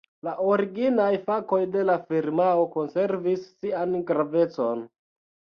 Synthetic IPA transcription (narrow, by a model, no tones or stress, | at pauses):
laʔoɾiɡinajfako̞jde̞lafiɾmaoko̞nse̞ɾvisːianɡɾave̞t͡so̞n